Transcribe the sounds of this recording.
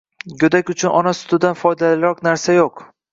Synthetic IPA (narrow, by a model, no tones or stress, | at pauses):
ɡɵd̪akʲʊt͡ʃʰʊnʔɒnasʊ̥t̪ʊd̪anfɒjd̪alɪɾɒqnaɾsajoq